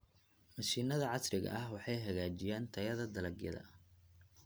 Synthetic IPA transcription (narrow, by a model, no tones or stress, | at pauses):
mɐʃiːnɐðɐʕɑsrɪɣɐ̰ʔɐhwɑħɑjɦɐɣaːt͡ʃɪjaːnt̪ʰɐjɐðɐd̪ɐlɐɡjɐ̰ðɐ̰